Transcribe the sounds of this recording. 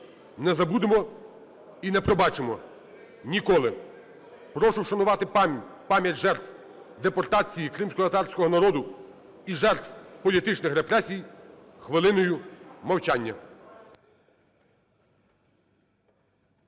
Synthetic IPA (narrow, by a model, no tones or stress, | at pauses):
nɛzɐbud̪emɔ | inɛpɾɔbɑt͡ʃemɔ | nʲikɔlˠɪ | pɾɔʃʊwʃɐnʊʋɑt̪ɪpɑmʲjɐtʲʒɛrt̪w | d̪epɔrt̪ɑt͡sʲijikɾɪmsʲkɔt̪ɐt̪ɑrsʲkɔɦɔnɐɾɔd̪ʊ | iʒɛrt̪wpɔlʲit̪ɪt͡ʃnɪxɾepɾɛsʲij | xʋɪlˠɪnɔjʊmɐwt͡ʃɑnʲːɐ